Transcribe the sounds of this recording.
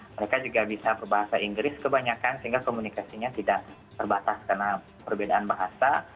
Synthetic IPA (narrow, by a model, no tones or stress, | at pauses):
məɾekad͡ʒuɡabisapərbaɦasaiŋɡɾɪskəbaɲakansəɦiŋɡakomunikasiɲat̪idaʔ | t̪ərbat̪askarna | pərbedaʔanbaɦasa